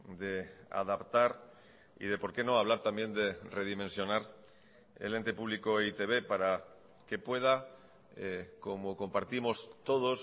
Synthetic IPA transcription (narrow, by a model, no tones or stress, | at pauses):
d̪e̞a̰ðapt̪aɾ | ḭð̞e̞po̞ɾkeno̞aβ̞laɾt̪ambje̞nd̪e̞re̞ðimẽ̞nsjo̞naɾ | ḛle̞nt̪e̞puβlikoit̪e̞βe̞paɾa | ke̞pwe̞ð̞a | eko̞moko̞mpaɾt̪imo̞st̪o̞ð̞o̞s